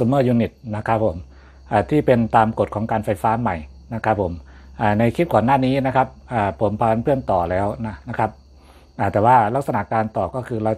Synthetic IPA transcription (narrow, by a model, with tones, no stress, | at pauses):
u˧mɤː˥˩juː˧ni˨˩t̪̚na˦˥kʰɾa˦˥pʰːo˩˦m | ʔaː˨˩t̪ʰiː˥˩pe˧nt̪aː˧mko˨˩t̪̚kʰɔː˩˦ŋkaː˧nfa˧jfaː˦˥ma˨˩j | na˦˥kʰa˦˥pʰːo˩˦mʔaː˨˩na˧jkʰi˦˥t̪̚kɔː˨˩nːaː˥˩niː˦˥na˦˥kʰa˦˥p̚ʔaː˨˩pʰo˩˦mpʰa˧a˧˥npʰɯ˥˩ənt̪ɔː˨˩lɛː˦˥wna˦˥na˦˥kʰa˦˥p̚ | ʔaː˨˩t̪ɛː˨˩waː˥˩la˦˥k̚sa˧na˨˩kaː˧nt̪ɔː˨˩kɔː˥˩kʰɯː˧ɾa˧w